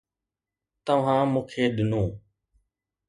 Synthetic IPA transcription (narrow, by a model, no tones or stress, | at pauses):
t̪əʋ̤ãːmũːkʰeːɗɪnũː